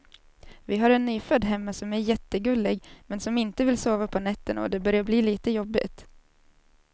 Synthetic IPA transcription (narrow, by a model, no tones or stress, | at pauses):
vɪɦaɾɛnːyːfœd̪ːɦɛmːasɔmæɾjɛt̪ːəɡɵlːɪɡmɛnsɔmɪnt̪əvɪlsoːvapʰɔnɛt̪ːənɔ̰d̪ɛbœɾjaɾbliːliːt̪əjɔbːɪ̰t̪